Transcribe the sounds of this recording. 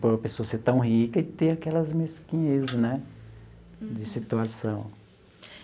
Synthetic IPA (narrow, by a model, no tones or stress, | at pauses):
poɾɐpesoɐseɾt̪ɐ̃w̃ɦikɐd͡ʒɪt̪eɾakɛlɐzmeskĩɲezɪnɛ | d͡ʒɪsit̪uasɐ̃w̃